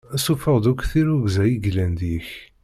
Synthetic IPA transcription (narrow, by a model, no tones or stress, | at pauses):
æsufəʁd̪ukθiɾuɡzæjiɡlænd̪iç